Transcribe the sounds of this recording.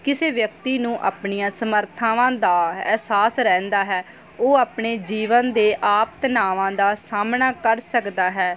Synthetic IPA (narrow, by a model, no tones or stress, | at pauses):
kɪseːʋjəkt̪iːnũːʔa̰ːpɳijãːsəməɾt̪ʰãːʋãːd̪aːɛ̰ːsaːsɾɛ̃ːnd̪aːɦɛː | oːaːpɳeːd͡ʒiːʋənd̪eːʔaːpət̪naːʋãːd̪aːsaːmnaːkəɾsəkd̪aːɦɛː